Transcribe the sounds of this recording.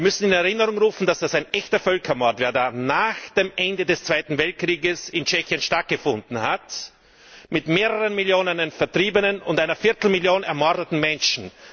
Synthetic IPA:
mʏsn̩ɪnɛʁɪnəʁʊŋʁuːfn̩d̥asd̥asaɪnʔɛçtɐfœlkʰɐmɔɐtv̥eːɐdaːnaːxd̥eːmʔɛndədɛst͡sv̥aɪtn̩vɛlt̚kʁ̥iːɡəsɪnt͡ʃɛçiənʃtat̚ɡ̥əfʊndn̩hat | mɪtmeːʁəʁənmɪljoːnənənfɛɐtʁ̥iːbənənʊntʔaɪnɐfɪɐtl̩mɪljoːnɛɐmɔɐdətn̩mɛnʃn̩

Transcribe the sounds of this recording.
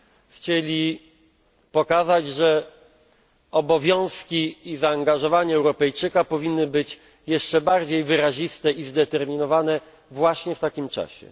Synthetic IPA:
xt͡ɕelʲi | pɔkazad͡ʑʐɛ | ɔbɔvʲjɔ̃w̃skʲiːzaːŋɡaʐɔvaɲɛɛwɾɔpɛjt͡ʂɘkapɔvʲinːɘbɘt͡ɕ | jɛʂt͡ʂɛbaɾd͡ʑejvɘɾaʑist̪ɛizd̪ɛt̪ɛɾmʲinɔvanɛ | vwaɕɲɛft̪akʲimt͡ʂa̰ɕɛ̰

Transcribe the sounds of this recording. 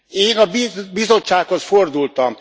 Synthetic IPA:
eːnɒbibizo̞t͡ʃt͡ʃːaːkhosford̪ult̪ɒm

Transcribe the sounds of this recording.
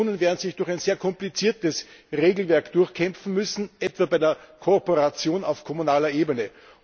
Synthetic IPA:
nənveːɐdn̩z̥ɪçd̥ʊɐxæɪnz̥eːɐkʰɔmplit͡siːɐtəsʁeːɡl̩vɛɐkd̥ʊɐxkʰɛmp͡fn̩mʏsn̩ʔɛtv̥aːbæɪdːɐkʰopoʁat͡sjoːnaʊfkʰomunaːlɐʔeːbənə

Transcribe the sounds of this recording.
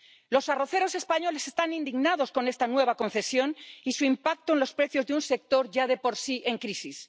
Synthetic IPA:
lo̞saro̞θe̞ɾo̞se̞spaɲo̞le̞se̞st̪anĩnd̪iɣnaðo̞sko̞ne̞st̪anwe̞β̞ako̞nθe̞sjo̞nisuimpak̚t̪oenlospɾe̞θjo̞zðeunse̞k̚t̪o̞ɾʝað̞e̞po̞ɾsiʔe̞ŋkɾisis

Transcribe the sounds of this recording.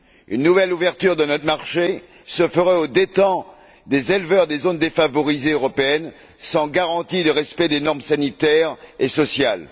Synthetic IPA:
ynːuvɛluvɛʁt̪yʁd̪ənɔt̪maʁʃe | səfəʁɛod̪et̪ɑ̃ | d̪ezɛlvœʁd̪ezond̪efavɔʁizeøʁɔpeɛn | sɑ̃ɡaʁɑ̃t̪iləʁɛspɛd̪enɔʁmsanit̪ɛʁesɔsjal

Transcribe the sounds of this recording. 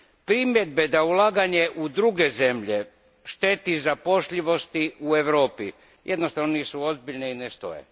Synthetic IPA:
pɾimjed̪̚bed̪aulˠaːɡaɲeʔud̪ɾuɡe̞ze̞mʎe̞ | ʃt̪e̞t̪izapo̞ʃʎiʋo̞st̪iueʋɾo̞ːpḭ | jʔed̪nost̪aʋnoniːsuo̞zbiʎneinest̪o̞̰jḛ

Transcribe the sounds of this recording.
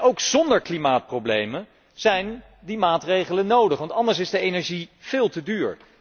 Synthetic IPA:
owkz̥ɔndəɹklimaːt̚prowblḛjmən | z̥ɛjn | dimaːtrejχələnːowdəχʋɑntɑndəɹs̬ɪzdəejnɛɹʒiv̥ɪːlˠtədyːɹ

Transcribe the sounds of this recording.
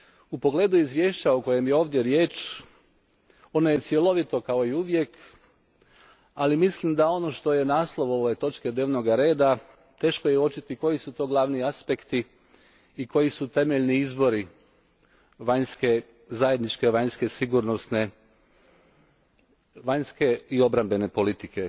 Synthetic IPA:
upo̞ɡle̞ːd̪uizʋʲje̞ːʃt͡ɕaoko̞je̞mjeo̞ːʋd̪je̞ɾjeːt͡ʃ | o̞noje̞t̪sje̞lo̞ʋit̪o̞kao̞iuʋje̞k | alimislimd̪ao̞no̞ʃt̪o̞je̞naːslˠo̞ʋo̞ʋet̪o̞t͡ʃke̞d̪neːʋno̞ɡaɾe̞ːd̪a | t̪e̞ːʃko̞jeot͡ʃit̪iko̞jisut̪o̞ːɡlˠaʋniaspekt̪iː | ko̞jisut̪e̞meʎniizbo̞ɾi | ʋaɲske̞ | zaje̞d̪nit͡ʃke̞ʋaɲske̞siɡuːɾnosne̞ | ʋaɲske̞io̞bɾambe̞ne̞po̞lit̪ike̞

